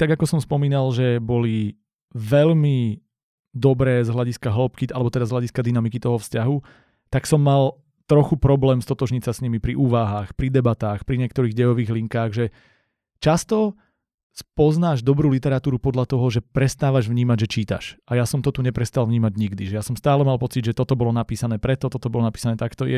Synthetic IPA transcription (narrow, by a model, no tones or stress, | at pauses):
t̪aɡakɔsɔmspɔmiːnalʒɛbɔli | ʋɛʎmi | d̪ɔbɾɛːzɦlaɟiskaɦlɔpkiʔalɛbɔt̪ɛd̪azɦlaɟiskad̪inamikit̪ɔɦɔfscaɦu | t̪aksɔmːal | t̪ɾɔxupɾɔblɛːmst̪ɔt̪ɔʒɲisasɲimipɾiʔuːʋaɦaːxpɾid̪ɛbat̪aːxpɾiɲɪɛkt̪ɔɾiːɣɟɛjɔʋiːɣliŋkaːɣʒɛ | t͡ʃast̪ɔ | spɔznaːʒd̪ɔbɾuːlit̪ɛɾat̪uːɾupɔd̪ʎat̪ɔɦɔʒɛpɾɛst̪aːʋaʒʋɲiːmaɟʒɛt͡ʃiːt̪a̰ʃʔajasɔmt̪ɔt̪uɲɛpɾɛst̪alʋvɲiːmaɟɲiɡd̪iʒɛjasɔmst̪aːlɛmalpɔt͡siɟʒɛt̪ɔt̪ɔbɔlɔnapiːsanɛːpɾɛt̪ɔt̪ɔt̪ɔbɔlɔnapiːsanɛːt̪akt̪ɔjɛ